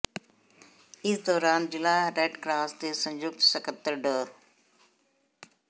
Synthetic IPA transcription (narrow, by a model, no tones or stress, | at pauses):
ɪsd̪ɔːɾaːnd͡ʑɪlaːɾeːɖkɾaːst̪eːsɐ̃ɲd͡ʒʊk̚t̪sɐkət̪ːəɖə